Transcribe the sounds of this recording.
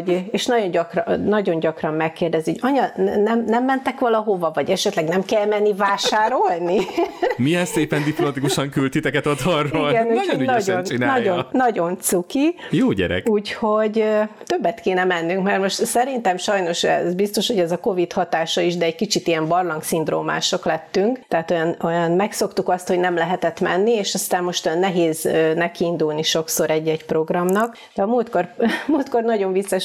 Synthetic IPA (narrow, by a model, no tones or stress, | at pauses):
ɟeʃnɒɟo̞ɲɟɒkrnɒɟo̞ɲɟɒkrɒmːɛkːeːrd̪ɛzioɟɒɲɒnɛmnɛmːɛnt̪ɛkʋɒlɒɦo̞vɒvɒɟɛʃɛt̪lɛɡnɛmkɛlmɛnːivaːʃaːɾo̞lnimijɛseːpɛnd̪iplomɒt̪ikuʃɒŋkylt̪it̪ɛkɛt̪ɒd̪ɒrːoilɡɛnuːonɒɟonnɒonːɒɟo̞nt̪sukijoːɟɛ̰ɾɛ̰kuːcho̞ɟt̪ø̞bːɛt̪keːnɛmɛnːyŋkmɛrmo̞ʃt̪sɛɾint̪ɛmʃɒjno̞ʃɛ̰zbist̪o̞ʃho̞ɟɛzɒko̞vit̪hɒt̪aːʃɒiʒd̪ɛɛɟ̚kit͡ʃit̪ijɛmbɒrlɒŋksind̪ɾo̰ːma̰ːʃo̞klɛt̪ːyŋkt̪ɛaːt̪o̞jɒnojɒnmɛkso̞kt̪ukɒst̪ho̞ɟnɛmlɛɦɛt̪ɛt̪mɛ̰nːieːʃɒst̪aːmmo̞ʃt̪ojɒnːɛɦeːzøːnɛkind̪ulniʃo̞kso̞ɾɛɟːɛcpro̞ɡrɒmnɒk | d̪ɛɒmuːlt̪̚kormuːlt̪ko̞rnɒɟo̞ɱvit̪sːɛʃ